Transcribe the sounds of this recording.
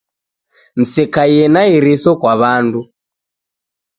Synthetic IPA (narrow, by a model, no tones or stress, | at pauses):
m̩sɛkajɛnaiɾisɔkwaβandu